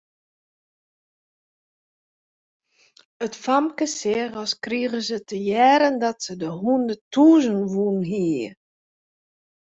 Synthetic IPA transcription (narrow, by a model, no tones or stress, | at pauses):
ətfamkəsɪəɣɔskriɣəzətʰəjɛːɾəndɔtsədəɦundətʰuːzənʋunɦi